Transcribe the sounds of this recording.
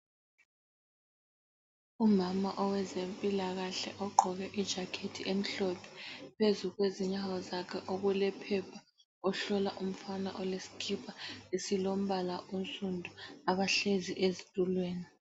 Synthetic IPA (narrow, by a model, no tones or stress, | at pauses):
umama̰ʔɔwɛzempʼilaɣaɬɛ̰ʔɔɡ͡ǃʱɔɣɛʔid̥ʒ̥ʱakʰetʰiʔem̩ɬɔpʰɛ̥pʰezuɣweziɲawɔzakʰɛʔoɣulɛpʰɛpʰa | ɔɬɔlaʔum̩fana̰ʔɔlesi̥kʰipʰaesilom̩βalaʔunt͡sʼundʱuaβaɬeziʔezitʼulweːni